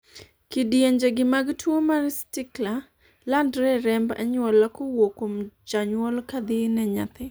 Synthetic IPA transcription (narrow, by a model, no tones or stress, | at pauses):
kidjeɲd͡ʒeɡɪmaɡtwomarstɪkla | landɾɛɾɛmba̰ɲwɔlakowokomd͡ʒaɲwɔlkad̪ɪnɛɲa̰t̪ɪ